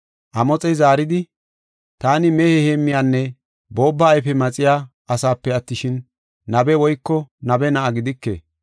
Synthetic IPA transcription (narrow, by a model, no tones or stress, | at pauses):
ʔɐmɔt͡sʼɛjzaːɾɪd̪ɪ | t̪aːnɪmɛhɛheːmːɪjaːnːɛ | bo̞ːbːɐːjfɛmɐt͡sʼɪjaː | ʔɐsaːpːɛɐt̪ːɪʃɪnː | ɐbɛwɔjkːɔnɐbɛnɐʔɐɡɪd̪ɪkːḛː